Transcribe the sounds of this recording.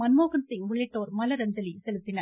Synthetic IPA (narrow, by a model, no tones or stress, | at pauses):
mɐnmoːɣɐnsɪŋʋʊɭɛʈːoːɾmɐlɐɾɐɲd͡ʒɐlisɛlɯt̪ːɪnɐɾ